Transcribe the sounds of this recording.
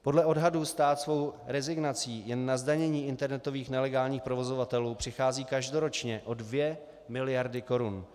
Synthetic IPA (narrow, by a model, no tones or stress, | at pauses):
po̞dlɛʔo̞dɦadust̪aːt̪svo̞wɾɛzɪɡnat͡siːjɛnːazdaɲɛɲiːɪnt̪ɛɾnɛt̪o̞viːxnɛlɛɡaːlɲiːxpɾovo̞zovat̪ɛluːpr̝̥ɪxaːziːkaʒdo̞ɾo̞t͡ʃɲɛʔo̞dvjɛ | mɪlɪjaɾdɪko̞ɾun